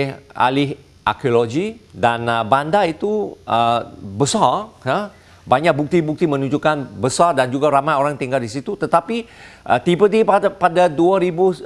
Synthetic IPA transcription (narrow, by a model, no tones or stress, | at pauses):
ʔa̰lɪɦ | ʔa̰kioloɡidanəbandait̪uʔəbəsara | baɲak̚buk̚t̪ibuk̚t̪imə̃nũɲd͡ʒukanbəsardand͡ʒuɡaɾamajoɾaŋt̪iŋɡaldisit̪ut̪ət̪apiʔə̰t̪ipət̪ipapadaduaɾibu